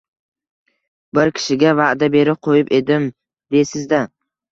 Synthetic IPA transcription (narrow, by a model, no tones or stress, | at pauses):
bɪɾkʲʰɪ̥ʃɪɡʲavaʔd̪abe̞ɾɪp̚qʰojɪpe̞d̪ɪm | d̪e̞sɪzd̪a